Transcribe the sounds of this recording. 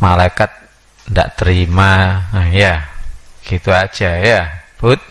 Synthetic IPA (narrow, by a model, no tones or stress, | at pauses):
malajkat̪̚ | nda̰ʔt̪əɾimaəhjaɡ̥it̪uḁd͡ʒ̥ajab̥ʊt̪̚